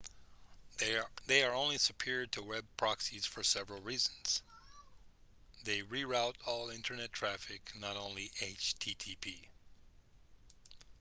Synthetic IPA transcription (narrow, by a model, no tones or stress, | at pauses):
ðeɪə˞õʊ̃nlisɨpʰɪɹd̚tʰɨwɛb̚pʰɹ̥ɑksiz̥fə˞sɛvɹl̩ˠɹiz̃n̩z̥ | ðeɪɹiɹaʊɾɔlˠɪ̃ntʰə˞nɛtʰɹ̥æfɪknəɾõʊ̃nliʔeɪt͡ʃtʰitʰipʰi